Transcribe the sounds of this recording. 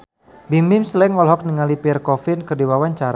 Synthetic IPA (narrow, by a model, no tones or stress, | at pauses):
bimɪmslɛŋɔlɦɔk̚niŋalipirkɔfɪnkərdiwawaɲt͡ʃaɾa